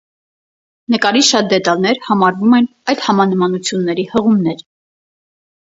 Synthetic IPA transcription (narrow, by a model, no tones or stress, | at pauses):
nəkɑɾiʃɑt̪̚d̪ɛt̪ɑlnɛɾhɑmɑɾvumɛnɑjlhɑmɑnəmɑnut͡sʰjunːɛɾihəʁumnɛɾ